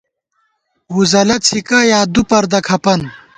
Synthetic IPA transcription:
wuzɐlɐt͡sʰikɐjaːd̪upɐɾd̪ɐkʰɐpɐn

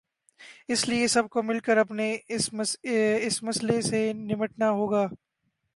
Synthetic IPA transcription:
ɪsliesɐb̚komɪlkəɾɐpneɪs | ɪsmɐslesenɪməʈnaɦoːɡaː

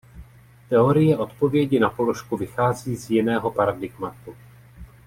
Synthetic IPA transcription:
t̪ɛo̞ɾɪjɛʔo̞t̪po̞vjɛɟɪnapo̞lo̞ʃkuvɪxaːziːzjɪnɛːɦo̞paɾadɪɡmat̪u

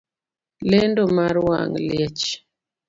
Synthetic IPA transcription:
lɛndomaɾwa̰ŋljɛt͡ʃ

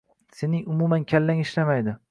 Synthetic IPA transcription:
se̞nɪŋʊmumankʲʰalːaŋɪʃlamajd̪ɪ

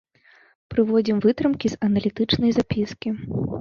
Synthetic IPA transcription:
pɾɨvɔd͡zʲimvɨt̪ɾɨmkʲiz̥ɐnɐlʲit̪ɨt͡ʂnɐjzapʲiskʲi

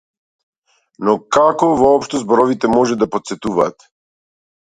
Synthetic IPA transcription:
nɔkakɔvɔɔpʃt̪ɔzbɔɾɔvit̪ɛmɔʒɛd̪apɔt̪sɛt̪uvaːt̪

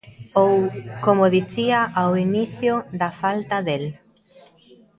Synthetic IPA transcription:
owkomoðiθiaʔawiniθjʊðafalt̪aðel

